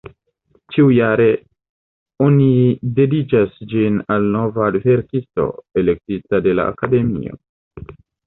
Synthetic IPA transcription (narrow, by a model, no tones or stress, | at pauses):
t͡ʃiujaɾe̞ | o̞nide̞dit͡ʃasd͡ʒinalno̞vadve̞ɾkisto̞̰e̞le̞k̚titade̞la̰ːkade̞mḭo̞̰